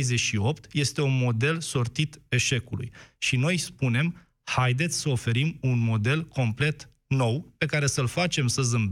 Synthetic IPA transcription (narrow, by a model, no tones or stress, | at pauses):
zeʃio̞pt̪je̞st̪e̞unmo̞d̪e̞lso̞rt̪it̪e̞ʃe̞kulṵjʃino̞jspune̞m | hajd̪e̞t̪sʲsəofe̞ɾimunmo̞d̪e̞lkʰo̞mple̞t̪ | no̞wpe̞kaɾe̞səlfat͡ʃe̞msəzɨmb